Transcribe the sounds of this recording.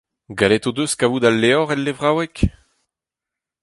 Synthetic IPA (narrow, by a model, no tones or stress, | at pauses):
ɡalɛt̪od̪øskavud̪alːeɔʁɛlːevʁawɛk